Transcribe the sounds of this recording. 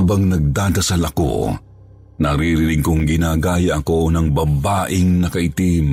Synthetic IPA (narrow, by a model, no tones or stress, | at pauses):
bɐŋnɐɡ̚d̪aːd̪ɐsɐlɐko̞̰ | nɐɾiɾɪɾɪɡ̚koŋɡɪnaːɡaːjɐʔɐko̞nɐŋbɐbaːʔɪŋnɐkɐʔɪt̪im